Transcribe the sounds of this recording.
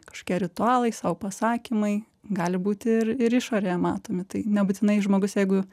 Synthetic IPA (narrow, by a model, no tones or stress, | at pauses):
kkɐ̥ʃko̥ːkʲiɛɾʲɪt̪ʊɑːlˠɐɪsɑːʋʊpɐsɑːkʲimɐɪ | ɡɑːlʲɪbuːt̪ʲɪrɪɾɪʃoːɾʲeːjɛmɑːt̪oːmʲɪt̪ɐɪnʲɛbʊt̪ʲɪnɐɪʒmoːɡʊsjɛɪɡʊ